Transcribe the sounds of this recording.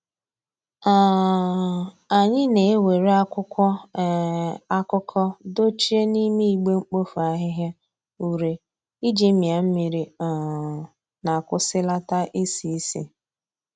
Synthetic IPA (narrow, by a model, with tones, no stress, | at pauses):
a˨ | a˨ɲɪ˦ne˨e˦we˨ɾe˦a˦kʷʊ˦kʷɔ˦ | a˦kʊ˦kʰɔ˦do˦t͡ʃi˦e˦ni˦mi˦i˨ɡ͡be˦ŋ͡m̩˦k͡po˦fu˨a˦ɦɪ˦ɦja˦ | u˨ɾe˨ | i˦d͡ʒi˦mi˨a˨m̩˦mi˨ɾi˨a˨ | na˨kʷʊ˦sɪ˦la˦ta˦ʔi˦si˨˦sḭ˨